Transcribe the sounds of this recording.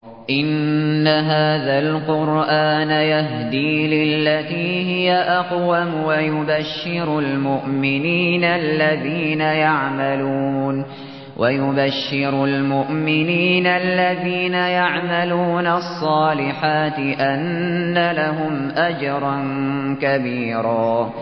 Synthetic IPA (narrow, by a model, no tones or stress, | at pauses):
ʔɪnːaɦaːðalqʊɾʔaːnajaɦd̪iːlɪlːat̪iːhɪjaʔɑqwamwajʊbaʃːɪɾʊlmʊʔmɪniːnalːaðiːnajaʕmaluːn | wʔajʊbaʃːɪɾʊlmʊʔmɪniːnalːaðiːnajaʕmaluːnasˤːɑːlɪħaːt̪ɪʔanːalaɦʊmʔad͡ʒɑɾˤɑnkabiːɾaː